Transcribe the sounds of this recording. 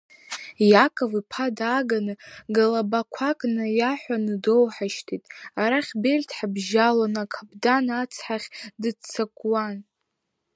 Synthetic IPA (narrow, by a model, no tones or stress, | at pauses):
jakʼovipʰadaɡanɨɡalabakʷʰakʼnɨjaħʷanɨdowħaʃtʰitʼaɾaχʲberʲtʰħabʒalanakʰabdanat͡sʰħaχʲdɨt͡sʰakʷʼwan